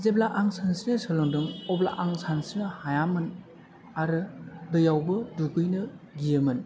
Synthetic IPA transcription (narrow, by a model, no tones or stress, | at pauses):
zeblaʔaŋsansinɯsɯlɯŋdɯŋɔbla̰ʔaŋsansinɯhajamɯn | aɾɯdɯjawbɯduɡɯjnɯɡijɯmɯn